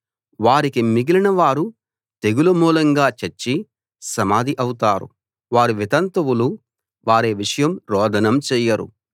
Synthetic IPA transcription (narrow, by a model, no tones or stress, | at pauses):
ʋaːɾikimiɡilinɐʋaːɾu | t̪eɡulɐmuːlɐŋɡaːt͡ʃɐɾt͡ʃːi | sɐmaːd̪iʔɐwut̪aːɾṵ | ʋaːɾuʋit̪ɐnt̪ɐwulu | ʋaːɾeːʋiʂɐjɐmɾɔːd̪ɐnɐmt͡ʃɛːjɐɾṵ